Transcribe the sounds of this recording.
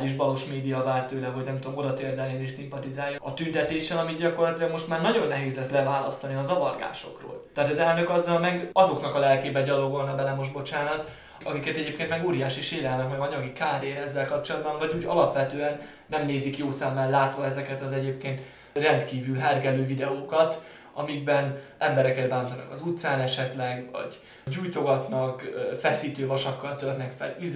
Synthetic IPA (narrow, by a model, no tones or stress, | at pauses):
ɟiʒbɒlo̞ʃmeːd̪ijɒvaːrt̪øːlɛɦo̞ɟnɛmt̪uoomo̞d̪ɒt̪eːrd̪ɛleːniʃsimpɒt̪izaːjɒɒt̪ynt̪ɛt̪eːʃɛlɒmiɟɒkorlɒt̪ilɒɡmo̞ʃt̪maːrnɒɟo̞nːɛɦeːzlɛslɛvaːlɒ̰st̪ɒniɒzɒvɒ̰rɡa̰ːʃo̞̰kro̰ːlt̪ɛɦat̪ɒzɛlnø̞kɒzːɒlmɛɡɒzo̞knɒkɒlɛlkeːbɛɟɒloɡolnɒbɛlɛmo̞ʒbo̞t͡ʃaːnɒt̪ | ɒkikɛt̪ɛɟeːp̚kenmɛɡoːɾijaːʃiʃeːlɛlmɛkmɛɡɒɲɒɡikaːɾeːnɛzːɛlkɒp̚t͡ʃo̞lɒd̪bɒɱvɒɟuːɟɒ̰lɒpʋɛt̪øːɛnː | ɛmneːzikjoːsɛmːɛllaːt̪ʋɒɛzɛkɛt̪ɒzɛɟeːp̚keːnt̪ | rɛnt̪kiːvylɦɛrɡɛløːvid̪ɛoːkɒt̪ | ɒ̰miɡ̚bɛnɛmbɛɾɛkɛd̪̚baːnt̪ɒnɒ̰kɒzut̪saːnɛʃɛt̪lɛɡvɒ̰ɟ | ɟuːjt̪o̞ɡɒt̪nɒkfɛsiːt̪øːvɒʃɒkːɒlt̪ørnɛkfɛ̰li